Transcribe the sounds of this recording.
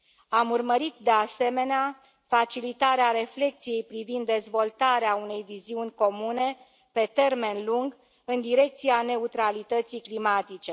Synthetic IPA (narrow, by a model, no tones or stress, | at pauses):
amurməɾit̪d̪e̞ase̞me̞nea | fat͡ʃilit̪aɾeaɾe̞fle̞k̚t̪sije̞jpɾivind̪ːe̞zvo̞lt̪aɾeaune̞jviziunʲko̞mune̞ | pe̞t̪e̞rme̞nluŋɡ | ɨnd̪iɾe̞k̚t̪siane̞ut̪ɾalit̪ət̪siklimat̪it͡ʃe̞